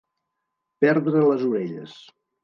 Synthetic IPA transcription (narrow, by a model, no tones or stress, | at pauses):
pɛɾðɾələzuɾeʎə̰s